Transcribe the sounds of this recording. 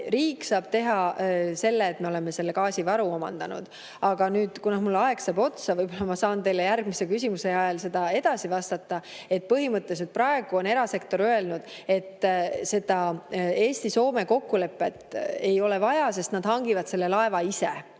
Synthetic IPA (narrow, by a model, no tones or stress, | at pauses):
riːksɑːb̥̚t̪e̞ɦɑse̞lːeːt̪me̞o̞le̞me̞se̞lːekɑːsʲivɑɾuo̞mɑ̰nd̪̥ɑnṵd̪̥ | ɑɡ̥ɑnyːd̪̥kunɑhmulːɑe̞ɡsɑːbo̞t̪sɑvɤjbolːɑmɑsɑːnt̪e̞jlːejærɡ̥misekysʲimuse̞ɑjɑlse̞d̪̥ɑe̞d̪̥ɑsivɑst̪ɑt̪ːˑɑe̞t̪̚pɤɦimɤt̪ːˑes̬et̪̚prɾɑe̞ɡ̥uo̞ne̞ɾɑse̞k̚t̪o̞ɾøe̞lnud̪̥e̞t̪ːse̞d̪̥ɑe̞ːsʲt̪iso̞ːme̞ko̞kːule̞pːˑe̞t̪e̞jo̞le̞vɑjɑse̞st̪nɑd̪̥hɑŋɡivɑd̪̥se̞lːe̞lɑe̞vɑise̞̰